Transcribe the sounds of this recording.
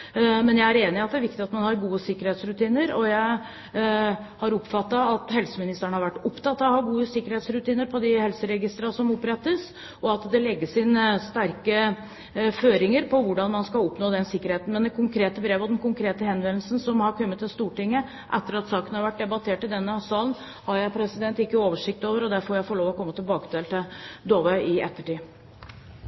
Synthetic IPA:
mɛnjæɪæɾeːnɪɑt̪d̪æɾʋɪk̚t̪ɪɑt̪mɑnhɑɾɡuːəsɪkːəɾheːt̪sɾʉt̪iːnəɾɔjæɪ | hɑɾɔpfɑt̪ːɑɑt̪hɛlsəmɪnɪst̪əɳəhɑɾʋæʈːɔpt̪ɑt̪ːɑhɑɾɡuːəsɪkːəɾheːt̪sɾʉt̪iːnəɾpʰɔd̪ɪhɛlsəɾɛɡɪst̪ɾɑsɔmɔpːɾɛt̪ːəs | ɔɑt̪d̪ɛlɛɡːəsɪnəst̪æɾkə | føːɾɪŋəɾpʰɔʋʊɖɑnmɑnskɑlɔpnoːd̪ɛnsɪkːəɾheːt̪n̩mɛnd̪ɛkʰʊŋkʰɾeːt̪əbɾeːʋɔd̪ɛnkʊŋkʰɾeːt̪əhɛnʋɛnl̩sən̩sɔmhɑɾkʰœmːət̪ɛst̪uːʈɪŋːə | ʔɛt̪ːəɾɑt̪sɑːkənəhɑɾʋæʈ̚d̪ɛbɑt̪ʰeːʈːɪld̪ɛnːəsɑːlən | hɑɾjæɪpʰɾɛsɪd̪ɛnt̪ɪkːəoːʋəʂɪk̚t̪oːʋəɾɔd̪æɾfoːɾjæɪfoːɭoːʋɔkʰɔmːət̪ʰɪlbɑːkə̥t̪eːlt̪ʰɪld̪oːʋəɪɛt̪ːəʈiː

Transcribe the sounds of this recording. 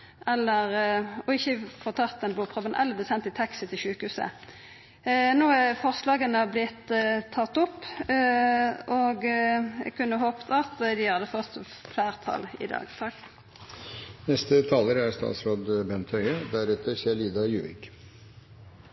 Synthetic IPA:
ʔɛlːəʁɔɪçːəfɔʁt̪ʰɑt̪ːɛnbuːpʰʁɔbənʔɛlbəsɛnt̪ɪt̪ʰɛksət̪ʰɪlʃʉːkhʉːsə̰ | noːæfɔʁslɑːɡənəblɪt̪ʰːɑt̪ːɔpː | ɔɡɛ̰ɡkʰʉnːəɦoːpt̪ʰɑt̪d̪ɪhɑd̪ːəfɔt̪ː | flæːʁt̪ʰɑ̰lɪ̰d̪ɑ̰ːɡ̪ʰ | nɛst̪ət̪ʰɑːləɾæɾst̪ɑ̰ːt̪sɾoːd̪bɛnt̪ʰhœʏəd̪æɾʉt̪əsiːəɭiːd̪ɑjʉːʋɪ̰k

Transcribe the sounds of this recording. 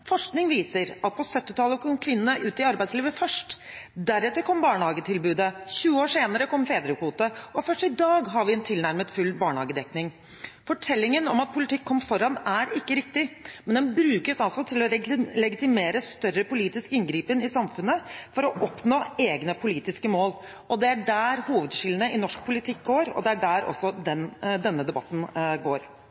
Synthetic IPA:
fɔʂknɪŋʋiːsəɾɑt̪̚pʰɔsœt̪ːɪt̪ʰɑlːəkʰɔmkʰʋɪnənəʔʉːt̪ɪɑɾbæɪtsliːʋəfœʂʈ | d̪æɾɛːt̪ːəɾkʰɔmbɑːɳhɑːɡət̪ʰɪlbʉːd̪əçʉːəoːʂeːnəɾəkʰɔmːfeːd̪ɾəkuːt̪əɔfœʂʈɪd̪ɑːɡɦɑɾʋɪɛnt̪ʰɪlnæɾmət̪fʉlbɑːɳəhɑ̰ːɡəd̪ɛknɪŋ | fɔʈʰɛlːɪŋənɔmɑt̪̚pʰʊlɪt̪ʰɪkʰːɔmːfɔɾɑnæɾɪkːəɾɪk̚t̪ɪmɛnd̪ɛnbɾʉːkəsɑlsɔt̪ʰɪlɔɾlɛɡɪt̪ɪmeːɾəst̪œrːəpʊliːt̪ɪskɪŋɡɾiːpənɪsɑmfʉnːəfɔɾɔʔɔpnoːeːɡnəpʰʊliːt̪ɪskəmoːl | ʔɔd̪ɛæɖæːɾhuːʋəd̪ɕɪlənəʔɪnɔʂk̚pʰʊlɪt̪ʰɪk̚ɡoːɾɔ̰d̪ɛæɖæːɾʔɔ̰sːɔd̪ɛnd̪ɛnːəd̪ɛbɑt̪ːn̩ɡoːɾ

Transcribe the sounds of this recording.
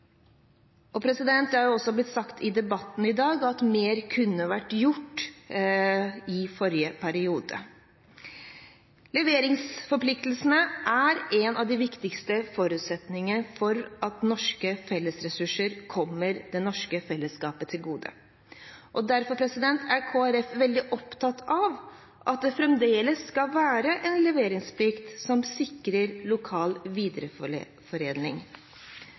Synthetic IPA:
ɔpʰɾɛsɪd̪ɛnt̪d̪ɛhɑɾjʊɔsːɔblɪt̪sɑkt̪ʰɪd̪ɛbɑt̪ːn̩ɪd̪ɑːɡɑt̪meːɾkʰʉnːəʋæʈːjʊʈː | ɪfɔɾjəpʰæɾɪuːd̪ə̰ | lɛʋeːɾɪŋsfɔɾpʰlɪk̚t̪əl̩snəʔæɾɛnɑʋd̪ɪʋɪkt̪ɪkst̪əfɔɾʉːt̪sɛt̪nɪŋənfɔɾʔɑt̪nɔʂkəfɛlːəsɾɛsʉʂəɾkʰɔmːəɾd̪ɛnɔʂkəfɛlːəskɑːpət̪ʰɪlɡuːd̪ə̰ | ʔɔd̪æɾfɔɾpʰɾɛsɪd̪ɛnt̪ʰæɾkʰoːæɾɛfʋɛld̪ɪʔɔpt̪ʰɑt̪ɑʋ | ʔɑt̪̚d̪ɛfɾɛmd̪eːləsːkɑlʋæːɾəʔɛnlɛʋeːɾɪŋspʰlɪkt̪sɔmsɪkːɾəɾlʊkʰɑːlʋiːd̪ɾə | fɔɾeːd̪nɪ̰ŋ

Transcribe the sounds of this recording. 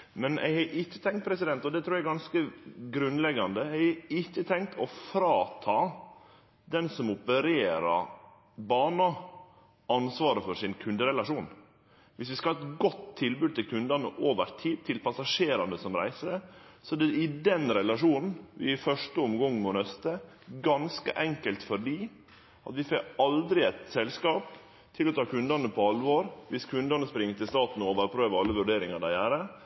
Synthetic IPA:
mɛnʔɛ̰ɪɡhɑʔɪçːə̥t̪ʰɛŋkt̪̚pʰɾɛsɪd̪ɛnt̪ɔd̪ɛt̪ʰɾuːɾjæɛɡɑnskəɡɾʉnlɛɡɑnd̪əɛɪɪçːət̪ʰɛŋk̚t̪ʰɔfɾɑːt̪ʰɑː | d̪ɛnsɔmɔpəɾeːɾɑ̰ | bɑːɳɑ | ɑnsʋɑːɾəfɔɾʂsɪnkʰʉnd̪əɾɛlɑʂuːn | ʋɪsʋɪskɑɑɛt̪ɡɔt̪ʰːɪlbʉːd̪̚t̪ʰɪlkʰʉnd̪ɑnəʔoːʋəɾt̪ʰiːd̪t̪ʰɪlpʰɑsɑʂeːɾɑnd̪əsɔmɾæ̰ɪsəsɔæd̪ɛɪd̪ɛnɾɛlɑʂuːnn̩ʋɪɪfœʂʈəɔmɡɔŋːn̩onœst̪ə | ɡɑnskə̰ʔɛŋkəlt̪fɔɖiː | ʔɑt̪ʋɪfɛkɑld̪ɾɪæɪt̪sɛlskɑːp | t̪ʰɪlɔt̪ʰɑːkʰʉnd̪ɑnəpʰɔɑlʋoːɾʋɪskʰʉnd̪ɑnəspɾɪŋːət̪ɪlst̪ɑːt̪n̩oːʋəɾpʰɾøːʋəɾɑlːəʋʉɖeːɾɪŋɑɖ̪æɪhæːɾə

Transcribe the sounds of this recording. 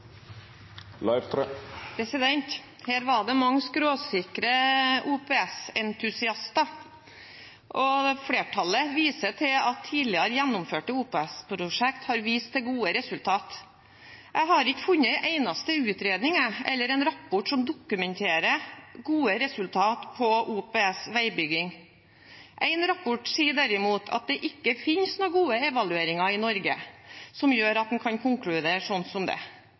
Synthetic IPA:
lɑɪʋt̪ʰpʰɾɛsɪd̪ɛnt̪ | hæːɾʋɑɖɛmɑŋːskɾoːsɪkɾəuːpɛːɛsɛnt̪ʰʉsɪɑst̪ɑ | ʔɔfɽeːʈʰɑlːəʋiːsət̪ʰɪlɑt̪ʰːiːd̪lɪəɾəjænːʊmføːʈəuːpɛɛspʰɾʊʂɛkt̪hɑɾʋiːst̪̚ʰɛɡuːəɾɛsʉlt̪ʰɑːt̪ | ʔæɪɦɑɾɪkːəfʉnːəʔæɪnɑst̪əʉːt̪ɾeːd̪nɪŋəʔɛ̰lːəɾɛɪnɾɑpːɔʈsɔmd̪ʊkʉmɛnt̪ʰeːɾəɡuːəɾɛsʉlt̪ʰɑːt̪pʰɔʔuːpeːɛsʋæɪbʏɡɪŋ | ʔæɪnɾɑpːɔʈsiːɖæɾɪmuːt̪ʰɑ̰t̪̚d̪ɛʔɪkːəfɪnsnoːɡuːəɛʋɑlʉeːɾɪŋɑɪnɔɾɡəsɔmjøːɾɑt̪̚d̪ɛnkʰɑnkʰʊŋklʉd̪eːɾʂɔnːsɔmd̪ɛ̰

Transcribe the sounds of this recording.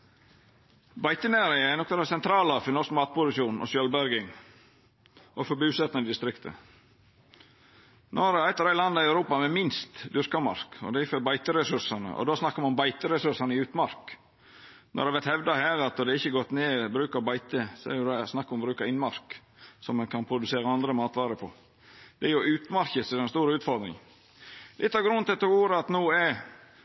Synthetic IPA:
bɑɪt̪ənæːɾɪŋəænɔk̪ːɑd̪ɛsɛnt̪ʰɾɑːlɑfɪnɔɾskmɑːt̪̚pʊsʉsuːnʔɔ̰sjœlbæɾɡɪŋ | ʔɔfɔbyːʉsɛt̪ɑnɪd̪ɪst̪ɾɪkt̪ʰə̰ | noɾæɪt̪ɑɾæɪlɑnd̪ɑɪæʉɾuːpɑmɛmɪnst̪d̪ʉɾkɑmɑ̰ɾkɔ̰d̪ɛæfœɾbɑɪt̪əɾɛsʉɾsɑnə̰ʔɔ̰d̪osnɑkːəmɑʊmbɑɪt̪əɾɛsʉʂɑnəɪʉːt̪mɑɾk | nʔɔ̰ɾd̪ɛʋɛɾt̪hɛʋd̪ɑhæːɾɑt̪̚d̪ɔd̪ɛɪçːəɡɔt̪ːneːbɾʉːkɑɾbɑɪt̪əsɔɛ̰ɾjʊd̪ɛsnɑkːɔmbɾʉːkɑɾɪnmɑɾksɔmːɛnkʰɑnpʰɾʊd̪ʉseːɾɑɑnd̪ɾəmɑːt̪ʋɑːɾəpʰɔ | d̪̥ɛæɾjʊʔʉːt̪mɑɾçəsɛɾɛnst̪uːɾəʉːt̪fɔɾd̪ɾɪ̰ŋ | ɪt̪ʰːɑɾɡɾʉnt̪ɪt̪ʰːɔɡuːɾəɑt̪nuːɛɾ

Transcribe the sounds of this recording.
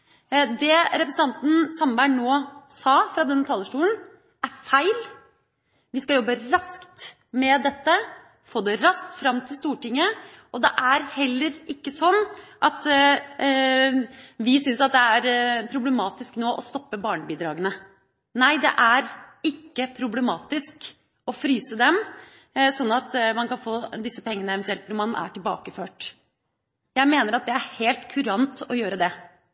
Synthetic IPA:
d̪ɛɾɛpɾəsn̩ʰɑnt̪n̩sɑmbæɳːoːsɑːfɾɑd̪ɛnːət̪ʰɑːləʂʈuːən | æɾfæɪl | ʋɪskɑljɔbːəɾɑskt̪ | mɛd̪ɛt̪ːə | foːd̪ɛɾɑskt̪fɾɑmːt̪ʰɪlst̪uːʈɪŋːə | ɔd̪ɛʔæɾhɛlːəɾʔɪkːəsɔnːʔɑt̪ | ʋɪsʏnsɑt̪̚d̪ɛæɾpʰɾʊblɛmɑːt̪ɪsknoːʔɔst̪ɔpːəbɑːɳəbiːd̪ɾɑːɡənə | næɪd̪ɛ̰ʔæɾɪkːəpʰɾʊblɛmɑːt̪ɪsk | ɔfɾyːsəd̪ɛm | sɔnːɑt̪mɑnkɑnfoːd̪ɪsːəpʰɛŋːənəɛʋənt̪ʉɛlt̪ʊmɑnʔæ̰ʈɪlbɑ̰ːkəføːʈ | jæɪmeːnəɾɑt̪̚d̪ɛæɾheːlt̪kʰʉɾɑnt̪ɔjøːɾəd̪ɛ

